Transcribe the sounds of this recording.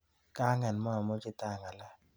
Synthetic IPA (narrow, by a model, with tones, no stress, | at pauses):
ka˦ŋɛ˨nmɔ˦a˨mo˦t͡ʃɪ˦t̪a˦˨ŋa˨la˦